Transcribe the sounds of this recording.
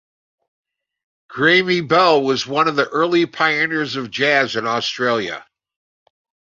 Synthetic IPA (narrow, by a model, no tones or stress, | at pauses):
ɡ̥ɹẽɪmibɛlˠwʌzwʌ̃nʌvðiʔɜ˞lˠipʰaɪɨnəɹzʌvd͡ʒæzɨ̃nɔstɹ̥eɪlˠjɨ̰